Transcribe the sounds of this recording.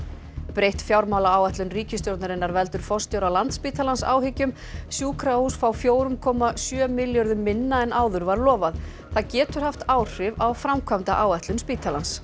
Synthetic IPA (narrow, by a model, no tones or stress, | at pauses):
pɾejht̪fjawɾmawlaaːwɛht̪lʏnriːcɪst̪joɾt̪naɾɪnːaɾvɛlt̪ʏɾ̥fɔst̪jowɾawlant̪spiːt̪ʰalansa̰ːwɦɪcʏm | sjuːkʰɾausfaːwfjoːwɾʏmkʰɔːmasjœːmɪljɔɾðʏmːɪnːaɛnʔaːwðʏɾvaɾlɔːvað | θaðcɛːt̪ʏɾ̥haft̪aːwr̥ɪvawfɾamkʰvamt̪aʔaːwɛht̪lʏnspiːt̪ʰalans